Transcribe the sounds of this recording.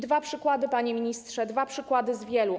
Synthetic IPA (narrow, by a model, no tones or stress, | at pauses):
d̪vapʂɘkwad̪ɘpaɲemʲiɲist̪ʂɛd̪vapʂɘkwad̪ɘzvʲjɛlu